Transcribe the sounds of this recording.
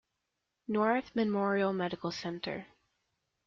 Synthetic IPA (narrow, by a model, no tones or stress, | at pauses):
nɔɹθmɨmɔɹiəl̩ˠmɛɾɨkl̩ˠsɛ̃ntʰə̰˞